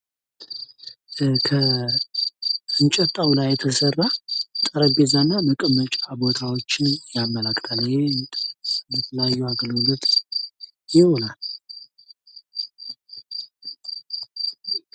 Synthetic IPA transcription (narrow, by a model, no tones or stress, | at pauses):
kʰə | ɨnt͡ʃʼɛt̪ʼːawlajːɛt̪ʰəsərːat̪ʼəɾəbezanːaməkʼəmət͡ʃʼabo̞t̪ʰawo̞t͡ʃːɪnjamːəlakʼt̪ʼalːəje | bət̪ʰələjajːuaɡəlolət̪ | jɪhonal